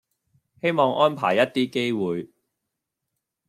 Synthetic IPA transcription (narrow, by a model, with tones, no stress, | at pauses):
he˥jmɔː˨˧ŋʔɔː˥npʰa̰ː˨˩jɐ˥t̚t̪iː˥ke˥jwuː˨j